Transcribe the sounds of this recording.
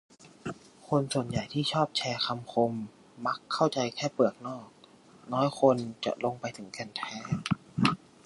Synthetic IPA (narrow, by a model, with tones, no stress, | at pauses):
kʰo˧nsu˨˩ənja˨˩jt̪ʰiː˥˩t͡ɕʰɔː˥˩p̚t͡ɕʰɛː˧kʰa˧mkʰo˧mː | a˦˥kʰːa˥˩wt͡ɕa˧jkʰɛː˥˩pɯ˨˩ək̚nɔː˥˩k̚ | nɔː˦˥jkʰo˧nt͡ɕa̰˨˩ʔlo˧ŋpa˧jt̪ʰɯ˩˦ŋkɛ˧nt̪ʰɛː˦˥